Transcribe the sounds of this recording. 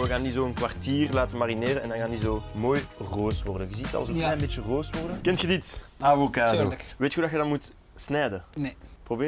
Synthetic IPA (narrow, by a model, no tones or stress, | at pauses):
əɣaːndizoːənkwartiːrlaːtəmarineːɾənɛndɑnkaːndizoːmoːjroːsʋɔrdənɣəziːtɑ̰lˠzoklɛːjnbeːtt͡ʃjəroːsʋɔrdəkɛntxəditavokaːdoʋeːtxuːdɑxədɑnmut | snɛːdəprobeː